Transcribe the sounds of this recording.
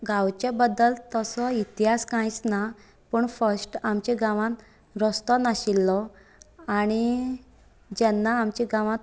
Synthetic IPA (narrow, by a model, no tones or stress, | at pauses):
ɡãwt͡ɕebəd̪ːəlt̪əsɔit̪iɦaskãjt͡sna | pəːɳfəɾsʈamt͡ɕɛɡãʋãt̪ | ɾɔst̪ɔnaɕilːɔ | aɽ̃i | d͡ʑɛnːaːmt͡ɕiɡãʋãt̪